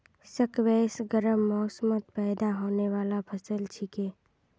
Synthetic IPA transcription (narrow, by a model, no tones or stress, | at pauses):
səkʋɛːsɡəɾəmːɔːsəmət̪̚pɛːd̪aɦoːneʋaːlapʰəsəlt͡ʃʰɪkeː